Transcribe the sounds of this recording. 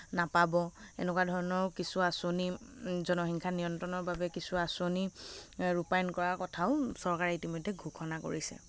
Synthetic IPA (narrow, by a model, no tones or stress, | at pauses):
napabɔḛnɛkwadʱɔɹɔnɔɹkisuasonizɔnɔxiŋkʰanijɔntɔnɔɹbabɛkisuasoniɹupajnkɔɹaɹkɔtʰaʊsɔɹkaɹɛitimɔjdʱːɛɡʱukʰɔnako̰ɹisɛ̰